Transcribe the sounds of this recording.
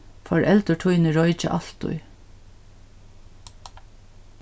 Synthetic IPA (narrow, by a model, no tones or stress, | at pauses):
fɔɹʔɛlt̪əʈʰujnəɹɔʏt͡ʃə̰ʔɑl̥t̪ʊ̰j